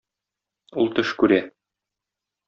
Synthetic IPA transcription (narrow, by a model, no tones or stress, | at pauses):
ulˠt̪ɵʃkʉɾæ